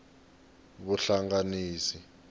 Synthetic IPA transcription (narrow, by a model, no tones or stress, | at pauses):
βuɬaŋɡaniːsi